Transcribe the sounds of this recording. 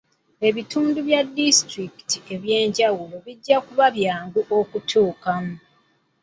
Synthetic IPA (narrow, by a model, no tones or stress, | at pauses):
e̞βituːnduβjadːistɾiki̥tie̞βje̞ːɲɟawulo̞βiɟːakuβaβjaːŋɡuʔo̞kutʰuːkamu